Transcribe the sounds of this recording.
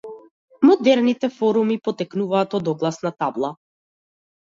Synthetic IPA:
mɔd̪ɛɾnit̪ɛfɔɾumipɔt̪ɛknuvaːt̪ɔd̪ɔɡlˠasnat̪ablˠa

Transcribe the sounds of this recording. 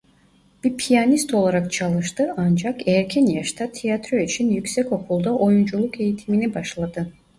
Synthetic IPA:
b̥iɾpʰijanist̪o̞lˠaɾakt͡ʃʰalˠɯʃt̪ɯand͡ʒakɛɾcʰɛnjaʃt̪ʰat̪ʰijat̪ɾøyt͡ʃʰinjycʲsɛco̞kʰulˠd̪aʔo̞jund͡ʒulˠuke̞jit̪ʰiminibaʃlˠad̪ɯ

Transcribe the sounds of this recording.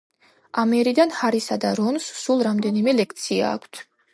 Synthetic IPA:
amɛɾid̪anhaɾisad̪aɾɔnssulˠɾamd̪ɛnimɛlɛk̚ʰt̪sʰia̰ːkʷʰt̪ʰ

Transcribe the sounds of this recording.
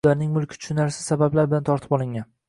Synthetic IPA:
aɾnɪŋmʊlˠkʲʰɪt͡ʃ̪ʰʊ̥ʃʊnaɾsɪsabablaɾbɪlant̪ʰɒɾt̪ʰɪ̥pɒlˠɪŋʲan

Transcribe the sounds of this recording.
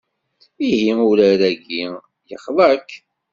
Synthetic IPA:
ihiuləɾæɡi | jəχðˤək

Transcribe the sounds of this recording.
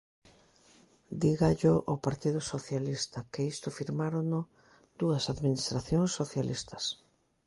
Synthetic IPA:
d̪iɣaʎʊʔopaɾt̪iðʊsoθjalist̪ɐkɪist̪ʊfiɾmaɾʊnʊ | d̪̥uɐsaðminist̪ɾaθjoŋsːoθjalʔist̪ɐ̥s

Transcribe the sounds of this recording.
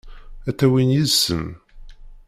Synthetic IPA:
æt̪ːæwinjisəm

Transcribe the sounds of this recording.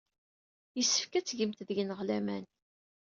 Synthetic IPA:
jəsːə̥fkæt͡sːʝəmt̪ðʝnəʁlæmæn

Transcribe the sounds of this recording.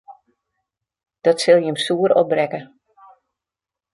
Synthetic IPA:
d̥ɔtsɪlˠjəəmsuəɾɔ̰brɛkə

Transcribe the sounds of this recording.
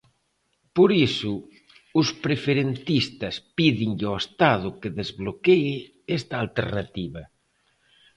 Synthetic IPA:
poɾisʊ | ʊspɾefeɾent̪ist̪ɐspiðiŋʎoest̪aðʊkeðezβlokeɪ | ɛst̪ɐːlt̪ḛɾnat̪iβɐ

